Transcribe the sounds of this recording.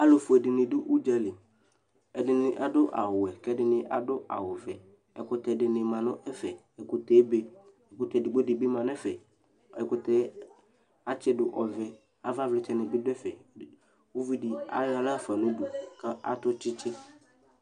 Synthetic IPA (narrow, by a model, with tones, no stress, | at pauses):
a˦lo˨fʊ˨ɛ˨dɪ˨nɪ̃˨dʊ˦ʔu˦d͡ʒa˨lɪ˨ | ɛ˨dɪ˨nɪ̃˨ʔa˨dʊ˦ʔa̰˨wʊ˨ɛ˨kɛ˦dɪ˨nɪ̃˨ʔa˨dʊ˦ʔa̰˨wʊ˨vɛ˨ | ɛ˨kʊ˦t̪ɛ˨dɪ˨nɪ̃˨mã˨nʊ̃˦ʔɛ˦fɛ˨ | ɛ˨kʊ˨t̪ɛː˨˦be˦ | ɛ˨kʊ˨t̪ɛ˨dɪ˨ɡ͡bo˦dɪ˨bɪ˦mã˨nɛ˦fɛ˨ | ɛ˨kʊ˨tɛ˦ | a˦t͡ʃɪ˦dʊ˨ʔɔ˨vɛ˨ | a˨va˦vlɪ˨t͡ʃɛ˨nɪ̃˨bɪ˦dʊ˦ɛ˦fɛ˨ | wo˦vi˦di˨a̰˦ja˨˦la˦˨fa˨nʊ̃˦du˨ka˦ʔa̰˨t̪ʊ˦t͡ʃɪ˦t͡ʃʰɪ˦